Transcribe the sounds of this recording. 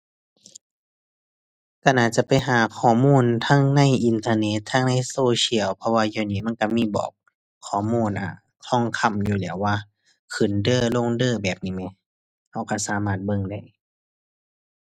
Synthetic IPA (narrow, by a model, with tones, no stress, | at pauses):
ka˧˩nʔaː˧˩t̪̚t͡ɕa˧˩pa˨jɦaː˨˦kʰɔː˧˦muː˧˥˨nt̪ʰa˧˥˨ŋna˧˥˨jʔi˧˨nt̪ʰaː˧ne˧˥t̪ʰːa˧˨ŋna˧˥˨jsoː˧si˧˨ə˨wpʰɔ˧waː˧jaː˧˩niː˧˩˨ma˧˥˨nka˧miː˧˥˨bɔ̰ː˨˩k̚ʰː | ɔː˧˩˦muː˧˥˨nʔa̰˨˩ | t̪ʰɔ˧˥˩ŋkʰa˧˥˩mjuː˧˩lɛː˨˦waː˧ | kʰɯ˨˩˨ndɤː˧˩˨lo˧˥˨ŋdɤː˧˨bɛː˨˩p̚niː˧˥˩mɛ˧˩˨ | ha˧˩wka˧˩saː˨˦maː˧˩t̪̚bɤ˧˨ŋda˧˩˨j